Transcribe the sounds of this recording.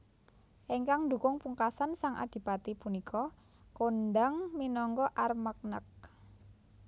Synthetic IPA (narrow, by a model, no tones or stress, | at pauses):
ʔeŋkaŋnd̪ukʊŋpuŋkasansaŋa̰d̪̥i̤pat̪ipunikʰɔ | kondaŋminɔŋɡɔʔarmək̚nək̚